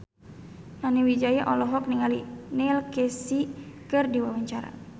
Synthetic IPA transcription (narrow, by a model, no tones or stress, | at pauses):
naniwid͡ʒajaʔɔlɔɦɔk̚niŋalinɛlkɛsikɨrdiwawaɲt͡ʃaɾa̰